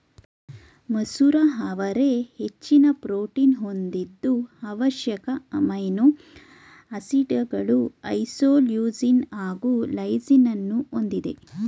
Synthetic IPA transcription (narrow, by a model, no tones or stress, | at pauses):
mɐsuːɾaɦɐʋɐɾehet͡ʃːinɐpɾoːʈiːnɦo̞nd̪id̪ːuɐʋɐʃjɐkɐɐmɐjno | ɐsiɖɐɡɐɭuɐjsoːljuːd͡ʒinaːɡuːlɐjd͡ʒinɐnːuond̪id̪e̞̰